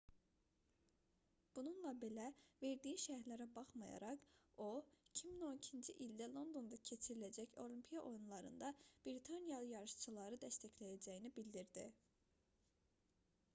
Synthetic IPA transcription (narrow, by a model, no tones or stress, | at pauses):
b̥ununlˠɑbe̞læve̞ɾd̪ijiʃæhɾlæɾæbɑχmɑjɑ̰ɾɑqo̞icʰimino̞nicʰind͡ʒiʔild̪ælˠo̞nd̪o̞nd̪ɑcʰe̞t͡ʃʰiɾilæd͡ʒæço̞lʲˠimpʰijɑʔo̞junlˠɑɾɯ̰nd̪ɑb̥ɾit̪ʰɑnjɑlˠɯjɑɾɯʃt͡ʃʰɯlˠɑɾɯd̪æst̪æçlæjæd͡ʒæjinibild̪iɾd̪ḭ